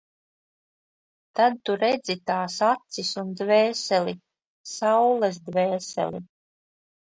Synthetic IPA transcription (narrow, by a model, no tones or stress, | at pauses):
t̪ad̪̚t̪uɾɛd̪zit̪aːsat̪sisund̪vɛːsɛli | sawlˠɛzd̪vɛːsɛ̰lḭ